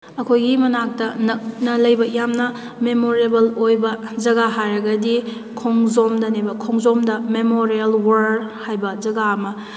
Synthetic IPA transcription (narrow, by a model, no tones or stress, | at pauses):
ɐkʰojɡimɐnak̚tɐnɐk̚nɐlɐjbɐjamnɐ | memoɾebɐlojbɐd͡ʒɐɡaɦajɾɐɡɐdi | kʰoŋzomdɐnebɐkʰɔŋzɔmdɐmemoɾiɐlwɐɾhajbɐd͡ʒɐɡaɐmɐ